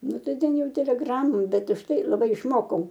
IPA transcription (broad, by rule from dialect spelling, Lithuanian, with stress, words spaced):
ˈnʊ ˈtɐɪ ˈtʲɛn ˈjɛʊ tʲɛlʲɛˈɡrɑːmoːm ˈbʲɛt ʊʃtˈɐɪ lˠɐˈbɐɪ ɪʃˈmoːkɐʊ